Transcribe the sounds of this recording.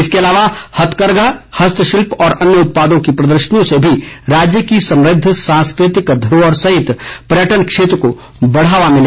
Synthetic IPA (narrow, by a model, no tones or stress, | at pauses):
ɪskeɐlaːʋahɐt̪ʰkəɾɡʱahɐst̪ʰəʃɪlpɔːɾɐnjəʊt̪̚paːd̪õkipɾɐd̪əɾʃənijõsebʱiɾaːd͡ʒjəkisɐ̃mɾɪd̪ʱːsãːnskɾɪt̪ɪkd̪ʱəɾoɔːɾsɐɦɪt̪pɾjəʈənkʃeːt̪ɾəko | bɐɽ̤aːʋamɪ̃le